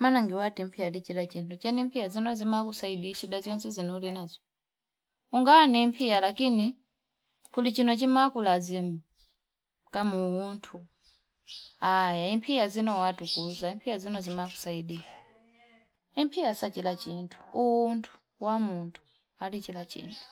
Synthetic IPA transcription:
manaŋɡiwatimpʰijadit͡ʃilat͡ʃintʰut͡ʃɛnimpʰijazinɔzimakusaiɗiʃiɗazɔnsɛzinɛulinazɔ | uŋɡanimpʰijalakini | kulit͡ʃinɔt͡ʃimakulazimu | kamuwuntʰu | ajaimpʰijazinɔwatukuzaimpʰijazinɔzimaku̥saiɗiʃḁ | impʰijasat͡ʃilat͡ʃintʰu̥uuntʰu̥ | wamuntʰu̥ | alit͡ʃilat͡ʃḭːntʰu̥

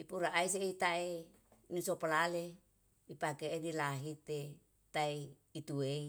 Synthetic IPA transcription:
ipuɾaʔais̬eit̪ae | nisopalale | bipakeːdilaɦit̪e | t̪ae | it̪uei

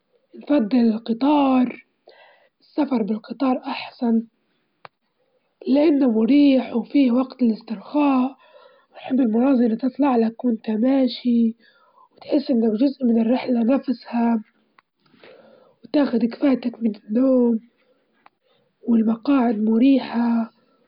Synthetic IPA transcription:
nfɑd̪ˤːɪlɪlqɨt̪ˤɑːɾˤ | ɪsːafɑɾˤbɪlqɨt̪ˤɑːɾˤʔɑħsˤɑn | lɪʔanːamʊɾiːħwfiːwaɡt̪ɪlɪst̪ɪɾxaːʔ | wnħɪbːɪlmʊnɑːzˤɑlt̪ɨt̪ˤlɑʕlakwɪnt̪amaːʃi | wɪt̪ħɪsːʔɪnːakʒʊzʔmɪnɪrːɪħlanafsha | wt̪aːxʊd̪kfaːt̪akmɪnɪnːoːm | wɪlmɑqɑːʕɪd̪mʊɾiːħa

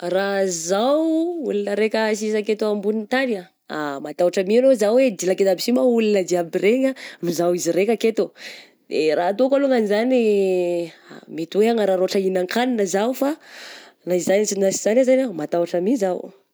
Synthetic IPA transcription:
razawṵlinəɾekʲəs̬isaket̪oambunit̪aɾia | a̰mat̪awaʈ͡ʂəmianozawed̪ilaket̪abisimaulinəd̪iabireŋanuzawiziɾekʲaket̪o | d̪eɾaat̪okaloŋanizani | a̰mit̪uweaŋəɾaɾoaʈ͡ʂainaŋkʰaninəzawufa | naizzanisinasiz̥anazanamat̪awaʈ͡ʂəmizaw

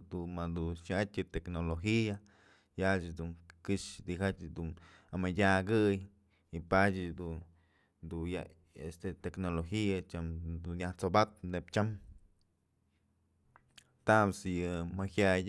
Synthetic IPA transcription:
d̪unmad̪unʃat̪ʲjɨt̪eknoloxia | jat͡ʃd̪uŋkɨʃd̪ikat͡ʃʲd̪un | amadʲaɡɨj | ipat͡ʃɨd̪un | d̪uja | est̪et̪eknoloxiat͡ʃamd̪unjaht͡sobat̪nept͡ʃam | t̪amsjɨmahjaj

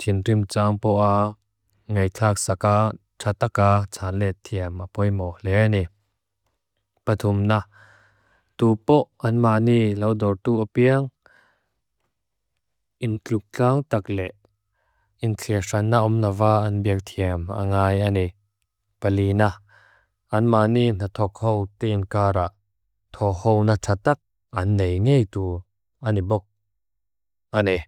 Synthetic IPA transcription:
t̪ʰinrimt͡saŋpɔʔa | ŋejt͡ɬʰak̚saka | ʈ͡ʂʰat̪akat͡sʰanlɛt̪ʰiəmʔapɔjmɔlɛʔani | pɐt̪ʰumna | t̪upɔʔʔɐnmaʔnilɐwdɔrt̪uʔapiəŋ | ʔɪnt͡ɬuk̚t͡ɬaŋt̪ak̚lɛʔ | int͡ɬʰiəʂɐnːaʔumnavaːʔɐnbiək̚t̪ʰiəma̰ŋaːjani | pɐlina | ʔɐnmaʔniʔn̥at̪ʰɔk̚hɔwt̪enkaːɾaʔ | t̪ʰɔhɔwnat͡sʰat̪ɐk̚ | ʔɐnːejŋejt̪u | ʔanibɔk̚ | ʔani

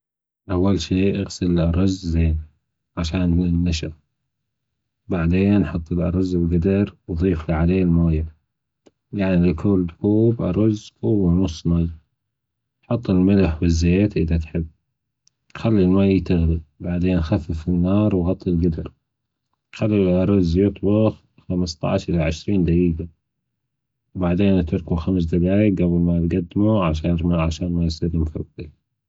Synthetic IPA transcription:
ʔawːalʃiːʔaɣsɪlɪlʔɑɾˤɑzzeːn | ʕaʃaːnɪnːaʃɑɾ | baʕd̪eːnːħʊt̪ˤːɪlʔɑ̰ɾˤɑzlɡad̪ɪɾwðˤiːflaʕaleːlmaːja | jaʕnilɪkʰʊːld̪kuːbʔɑ̰ɾˤɑzʊwːanʊsˤnɑɣ | ħʊt̪ˤːɪlmɪlaħwɪzːeːt̪ʔɪðat̪ħɪbː | xalːilmajt̪aɣlibaʕd̪eːnxafːɪfɪnːɑːɾˤwɣɑt̪ˤːilɡad̪ɪɾ | xalːiʔɑɾˤʊzːjɨt̪ˤbʊx | xamst̪ˤɑ̰ʕʃʔɪlaʕɪʃɾiːnd̪ajiːɡa | baʕd̪eːnt̪ʊɾˤkuxams̬d̪aɡaːjɪkʔablmat̪ɡad̪ːɪmuʕaʃɑːɾmaʕaʃaːnmajsiɾɪmfɪ̰i

